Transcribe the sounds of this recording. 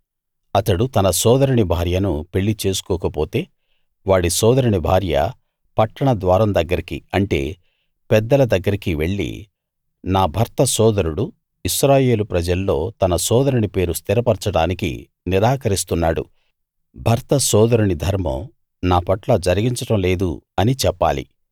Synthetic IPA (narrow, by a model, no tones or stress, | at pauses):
ɐt̪ɐɽut̪ɐnɐsɔːd̪ɐɾiɳibʱaːɾjɐnupe̞ɭːit͡ʃe̞ːsu̥kɔːkɐpo̞ːt̪e̞ː | ʋaːɽisɔːd̪ɐɾiɳibʱaːɾjɐ̰ | pɐʈːɐɳɐd̪ʋaːɾɐmd̪ɐɡːɐɾikḭɐɳʈe̞̰ː | pɛd̪ːɐlɐd̪ɐɡːɐɾikiʋe̞ɭːḭ | naːbʱɐɾt̪ɐsɔːd̪ɐɾuɽu | iʃɾaːje̞ːlupɾɐd͡ʒɐlːo̞ːt̪ɐnɐsɔːd̪ɐɾiɳipe̞ːɾust̪iɾɐpɐɾt͡ʃɐɽaːnikḭ | niɾaːkɐɾist̪unːa̰ːɽṵ | bʱɐɾt̪ɐsɔːd̪ɐɾuɳid̪ʱɐɾmɐ̰ | naːpɐʈlɐd͡ʒɐɾiɡiɲt͡ʃɐʈɐmle̞ːd̪uɐnit͡ʃɛpːa̰ːlḭ